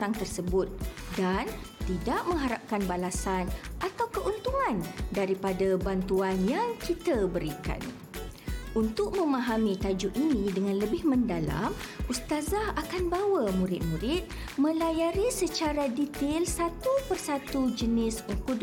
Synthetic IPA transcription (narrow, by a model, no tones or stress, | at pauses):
aŋt̪ərsəbʊt̪̚dant̪idaʔmə̃ŋɦaɾap̚kanbalasanʔat̪awkəʔunt̪uŋãndaɾipadabant̪uanjaŋkit̪abəɾika̰n | ʔunt̪ʊk̚mə̃mãɦamĩt̪ad͡ʒuʔinĩdəŋãnləbɪhmə̃ndala̰mʔust̪azahakanbawəmũɾɪt̪̚mũɾɪt̪̚ | mə̃lajaɾisət͡ʃaɾadit̪ɪlsat̪upərsat̪ud͡ʒənɪsuŋkud